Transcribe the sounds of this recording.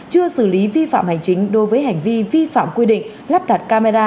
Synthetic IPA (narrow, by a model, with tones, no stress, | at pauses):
t͡ɕɨ˧əsɨ̰˧˩li˨˦vi˧fa̰ː˧˨mha˨˩jŋ̟t͡ɕï˨˦ŋ̟ɗo˨˦jvəː˨˦jɦa˨˩jŋ̟vi˧vi˧fa̰ː˧˨mkwi˧ɗḭ̈˧˨ŋ̟ | la˦˥p̚ɗa˨˩t̚kaː˧ma˧zaː˧